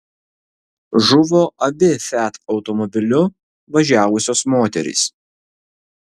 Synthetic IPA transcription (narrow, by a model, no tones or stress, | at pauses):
ʒʊʋoːʔɐbʲɪfʲæˑt̪ɒʊt̪ɔmɔbʲɪlʲʊ | ʋɐʒʲæːʋʊsʲoːsmoːt̪ʲɛ̰ɾʲḭːs